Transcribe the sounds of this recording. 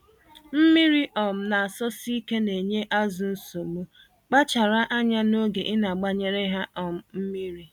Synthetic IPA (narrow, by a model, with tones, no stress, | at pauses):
m̩˦mi˦ɾi˦ʔɔ˨m̩˨na˨a˨sɔ˦si˦ke˦ne˨ɲe˦ʔa˦zʊ˨n̩˦so˨ɡ͡bo˦ | k͡pa˦t͡ʃa˨ɾa˦ʔa˦ɲa˦no˦ɡe˨ʔɪ˦na˨ɡ͡ba˦ɲe˨ɾe˦ɦa˦ɔ˨m̩˨m̩˦mi˦ɾi˨